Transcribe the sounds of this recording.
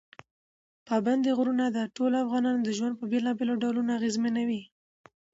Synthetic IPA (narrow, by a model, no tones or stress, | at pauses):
pɑband̪eɣɾunad̪aʈolafɣɑnɑnod̪əʒwand̪̚pəbelɑbeloɖawlunaaɣezmanawi